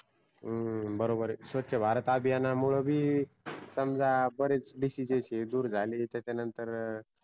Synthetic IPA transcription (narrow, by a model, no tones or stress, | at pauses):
əbəɾobəɾsʋət̪ːɕəbʱaɾət̪abʱijanamuɭ̤əbʱiː | səmd͡zʱabəɾet͡sɖisid͡ʑeɕed̪uːɾd͡zʱaliːt̪jat͡ɕanənt̪əɾ